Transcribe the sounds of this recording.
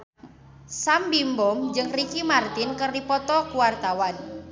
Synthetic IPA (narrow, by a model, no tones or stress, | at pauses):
sambimbɔmd͡ʒɨŋrikimart̪inkɨrdipɔt̪ɔkuwart̪awan